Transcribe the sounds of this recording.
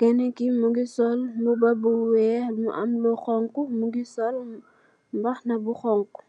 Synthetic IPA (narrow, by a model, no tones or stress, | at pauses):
kɛnɛkimuɡisɔlmubɐbuwɛmṵʔɐ̰mlɔxɔŋkumuɡisɔl | mbɐxnɐbuxɔŋku̥